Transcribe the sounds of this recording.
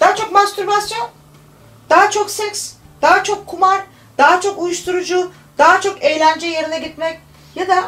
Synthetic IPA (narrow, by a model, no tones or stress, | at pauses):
d̪̥aːt͡ʃʰo̞kmast̪uɾbasjon | d̪̥aɦat͡ʃʰo̞ksɛks | d̪̥aːat͡ʃʰo̞kʰːumaɾ | d̪̥aːt͡ʃʰo̞kujuʃt̪ʰuɾud͡ʒu | d̪̥aːat͡ʃʰo̞kejlʲænd͡ʒɛje̞ɾinʲɛɟit̪mɛc | jad̪a